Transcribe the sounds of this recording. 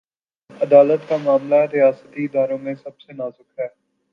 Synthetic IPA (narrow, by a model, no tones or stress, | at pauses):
əd̪aːlət̪kaːmaːmlaːɛɾɪaːsət̪iːɪd̪aːɾõːmẽːsəbseːnaːzʊkʰɦɛː